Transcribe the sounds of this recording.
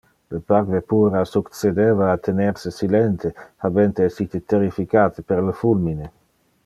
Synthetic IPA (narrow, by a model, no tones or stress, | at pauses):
lepaɾvepuːɾasukt͡sed̪eːvaːt̪ʰeneɾsesilent̪ehabent̪eɛsit̪et̪eɾifikaːt̪epeɾlefulmine